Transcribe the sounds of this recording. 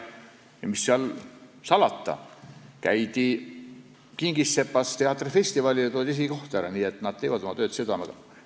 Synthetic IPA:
jɑmisːeɑlsɑlɑt̪ːɑ̰kæ̰jd̪i | kiŋɡ̥isːe̞pːɑst̪eɑt̪ːˑrfe̞sʲt̪ivɑlʲiɑt̪oːd̪is̬iɡiko̞ht̪æɾɑniːe̞t̪ːˑnɑd̪̥̚t̪e̞jvɑd̪o̞mɑt̪ø̞ːt̪sed̪̥ɑmɑ̰ɡ̥ɑ

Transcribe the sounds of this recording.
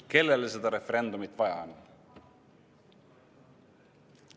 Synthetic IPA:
ke̞lːelese̞d̪ɑɾe̞feɾe̞nd̪umit̪vɑjɑ̰on

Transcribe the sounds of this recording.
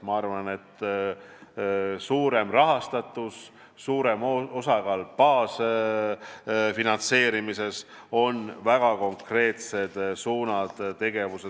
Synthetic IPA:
mɑɑrvɑne̞t̪ː | suːɾe̞mrɑɦɑst̪ɑt̪ːˑusː | uːɾe̞mo̞sɑɡɑlpɑːs | finɑnt̪se̞ːɾimise̞s | o̞nvæɡ̥ɑko̞ŋkre̞ːt̪se̞d̪̥suːnɑd̪̥t̪ːe̞ɡ̥e̞vuse

